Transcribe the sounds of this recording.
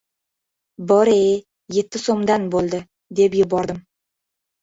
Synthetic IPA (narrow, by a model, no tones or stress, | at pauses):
bɒɾe | je̞t̪ʰːɪsomd̪anbolˠd̪ɪ | d̪e̞pjʊbɒɾd̪ɪm